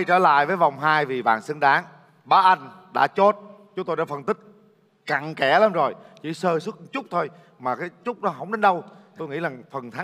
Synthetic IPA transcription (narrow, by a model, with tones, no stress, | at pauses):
t͡ɕəː˧˩la̰ː˧˨jvəː˨˦jva˨˩wŋ͡mɦaː˧jvi˨˩ɓa̰ː˨˩nsə˧ŋɗaː˨˦ŋ | ɓaː˨˦ʔa˧jŋ̟ɗa̰ː˧˥t͡ɕo˦˥t̚t͡ɕʊ˦ŋ͡mt̪o˧jɗa̰ː˧˦fə˨˩nt̪ï˦˥k̟̚ | ka˨˩ŋkɛ˧˩laː˨˦mzo˨˩jt͡ɕḭ˧˩˦səː˧sɨ˦˥k̚t͡ɕʊ˦˥k͡p̚t̪ʰo˧j | maː˨˩kaː˨˦jt͡ɕʊ˦˥k͡p̚ɗɔ˨˦ɦə˧˩wŋ͡mɗe˨˦nɗə˧wt̪o˧jŋḭ˧˥laː˨˩ŋfə˨˩nt̪ʰa˨˦